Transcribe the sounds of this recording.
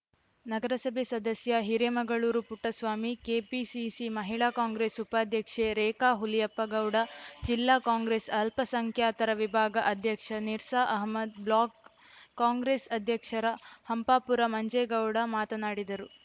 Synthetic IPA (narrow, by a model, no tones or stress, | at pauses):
nɐɡɐɾɐsɐbʱesɐd̪ɐsjɐɦiɾemɐɡɐɭuːɾupuʈːɐsʋaːmikeːpisisimɐɦiɭaːkaːŋɡɾeːsupaːd̪ʱjɐkʂeɾeːkaːɦulijɐpːɐɡɐwɽɐd͡ʒilːaːkaːŋɡɾeːsɐlpɐsɐŋkʰjaːt̪ɐɾɐʋibʱaːɡɐʔɐd̪ʱjɐkʂɐniɾsaːʔɐɦmɐd̪blaːkː | aːŋɡɾeːsɐd̪ʱjɐkʂɐɾɐhɐmpaːpuɾɐmɐɲd͡ʒeɡɐwɽɐmaːt̪ɐnaːɽid̪ɐɾu